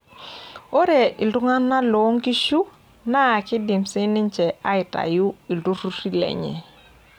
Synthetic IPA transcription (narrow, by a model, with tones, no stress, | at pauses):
o˦ɾɛ˨ʔɪ˨ldʊ˦ŋa˦na˦lɔ˨˦ŋɡi˦ʃu˦ | na˦a˨kɪ˦dɪ˨msɪ˦nɪ˦ɲt͡ʃɛ˨a˦ɪ˨ta̰˨jʊ˦i˨ldu˦ɾu˦ɾi˦lɛ̰˨ɲɛ̰˨